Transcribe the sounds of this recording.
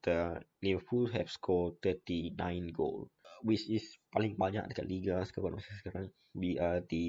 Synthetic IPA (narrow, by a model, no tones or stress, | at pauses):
d̪̥ənebəfulɦɛfskʰɔlt̪ət̪inã̰jnɡo̰lwit͡ʃispalĩŋbaɲa̰k̚dəkaʔliɡasə̥kakanmasasəkaɾãŋ | wiad̪ə